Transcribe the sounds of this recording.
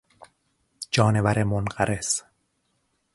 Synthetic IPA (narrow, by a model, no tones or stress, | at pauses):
d͡ʒɒːne̞væɾemonɢæɾʔes